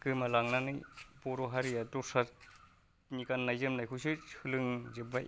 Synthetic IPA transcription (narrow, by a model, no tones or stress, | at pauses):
kɯmalaŋnanɯjbɔɾɔɦaɾiatɔsa | nikanːajzɯmnajkʰusɯɯlɯŋzɯba